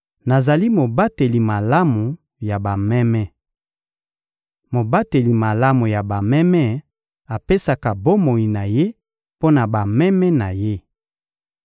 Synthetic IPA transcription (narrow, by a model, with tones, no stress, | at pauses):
na˨za˨li˦mo˨ba˦te˨li˨ma˨la˦mu˨ | ja˨ba˨mɛ˦mɛ˦ | mo˨ba˦te˨li˨ma˨la˦mu˨ja˨ba˨mɛ˦mɛ˦ | a˨pe˦sa˨ka˨bo˦mo˨ji˨na˨je˦ | po˦na˨ba˨mɛ˦mɛ˦na˨je˦